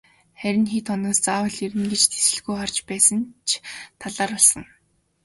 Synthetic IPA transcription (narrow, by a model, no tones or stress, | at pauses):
χæɾʲɪ̆nxiːt̪χɔnɔːst͡saːwə̆ɮiɾɘ̆ŋɡet͡ɕt̪ʰe̥sɘ̆ɮɣujχɔr̥t͡ɕpæːsə̆nt͡ɕʰt̪ʰaɮaːɾɔɮsə̆ŋ